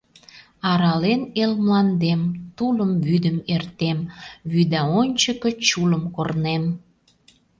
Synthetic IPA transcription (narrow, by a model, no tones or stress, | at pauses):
ɑɾɑlenelmlɑnd̪emt̪uləmβyd̪əmert̪emβyd̪æonʲt͡ɕəkə̆t͡ɕuləmkornem